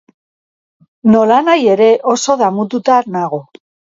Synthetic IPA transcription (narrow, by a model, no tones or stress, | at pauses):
nolanaje̞ɾe̞ʔoso̞ðamut̪̬ut̪aːɾnaɣ̞o